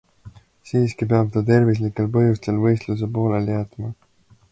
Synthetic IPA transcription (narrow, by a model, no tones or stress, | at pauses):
siːskipeɑb̥̚t̪ɑt̪e̞ɾvis̬likːˑe̞lpɤjust̪e̞lvɤ̞jst̪lus̬e̞po̞ːle̞ljæt̪mɑ